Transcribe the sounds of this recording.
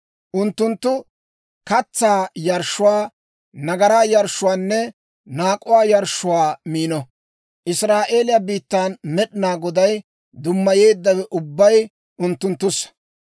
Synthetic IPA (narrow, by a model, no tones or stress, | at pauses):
ʔʊnt̪ːʊnt̪ːʊ | kɐt͡sːaːjɐɾʃːʊwaː | nɐɡɐɾaːjɐɾʃːʊwaːnːɛ | naːkʼʊwaːjɐɾʃʊwaːmiːnɔ | ʔɪsɾaːʔe̞ːlɪjabiːt̪ːaːnmɛɗɪnaːɡɔd̪ɐj | d̪ʊmːɐje̞ːd̪ːɐwɛʔʊbːɐj | ʔʊnt̪ːʊnt̪ːʊs